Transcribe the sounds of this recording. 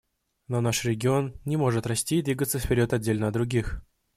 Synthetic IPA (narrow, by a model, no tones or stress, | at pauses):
nonaʂrʲɪɡʲɪonnʲɪmo̞ʐɨt̪rɐsʲtʲiːd̪vʲiɡət̪səfpʲɪɾʲo̞t̪ɐdʲːelʲnəd̪ɾʊɡʲix